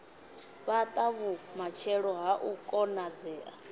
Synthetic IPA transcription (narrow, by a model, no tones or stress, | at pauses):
βat̪ʼaβumat͡ʃʰɛɺɔɦaʔukʼɔnad͡zɛːʔa